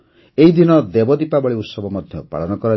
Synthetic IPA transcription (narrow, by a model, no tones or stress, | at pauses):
eɦid̪inɔd̪ebɔd̪ipabɔɭiut̪sɔbɔmɔd̪ʱjɔpa̰ɭɔnɔkɔɾɔ